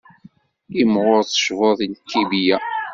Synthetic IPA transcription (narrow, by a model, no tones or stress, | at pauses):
imʁʊɾθə̥ʃvoðˤinkʰːibijæ